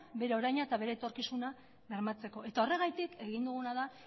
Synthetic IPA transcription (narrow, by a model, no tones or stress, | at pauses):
be̞ɾe̞o̞ɾajɲat̪aβe̞ɾe̞ːt̪o̞ɾkisuna | βe̞ɾmat͡se̞ko̞e̞t̪ao̞re̞ɣajt̪ike̞ɣind̪uɣ̞unað̞a